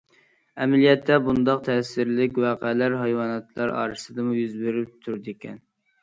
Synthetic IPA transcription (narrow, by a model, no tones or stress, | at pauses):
ɛmælijɛt̪ʰːɛbund̪ɑqt̪ʰɛsɪɾlɪkʲwæːqɛlæɾɦɑjwɑːnɑt̪lˠɑɾɑ̰ːɾɨsɨd̪ɨmujyzbeɾyp̚t̪ʰuɾd̪ɪkʲʰɛ̰n